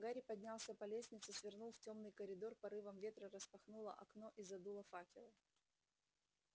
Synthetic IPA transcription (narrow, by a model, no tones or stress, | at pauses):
ɡaɾʲɪpɐdʲnʲalˠsʲəpɐlʲesʲnʲɪt̪sɨsvʲɪrnulˠftʲo̞mnɨjkəɾʲɪd̪o̞rpɐɾɨvəmvʲe̞t̪ɾərəspɐxnulˠə̰ʔɐkno̞ʔizɐd̪ulˠəfakʲɪ̰lˠɨ